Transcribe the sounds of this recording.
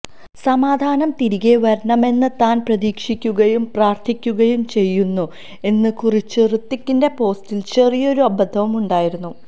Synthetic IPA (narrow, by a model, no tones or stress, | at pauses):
sɐmaːd̪ʱaːnɐmt̪iɾiɣeʋɐɾɳɐme̞nːɨt̪aːnprɐðiːkʂikʲːuɣɐjumpraːrt̪ʰikʲːuɣɐjumt͡ɕe̞jːunːu | e̞nːɨkurit͡ɕːɨrɨt̪ːikʲːinde̞po̞ːstilt͡ɕe̞rijo̞ɾuɐbɐd̪ʱːɐʋɐmuɳɖaːjiɾunːu